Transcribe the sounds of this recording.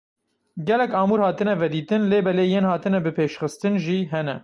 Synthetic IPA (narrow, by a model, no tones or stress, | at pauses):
ɡɛlɛkɑːmuːɾhɑːt̪ɨnɛvɛd̪iːt̪ɨnleːbɛleːjeːnhɑːt̪ɨnɛbɨpʰeːʃxɨst̪ɨnʒiɦɛnɛ̰